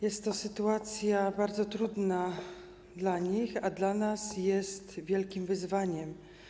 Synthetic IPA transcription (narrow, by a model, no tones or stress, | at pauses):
jɛst̪ːɔsɘt̪uat̪sʲjabaɾd̪zɔt̪ɾud̪na | d̪laɲixad̪lanasjɛst̪vʲjɛlkʲimvɘzvaɲɛm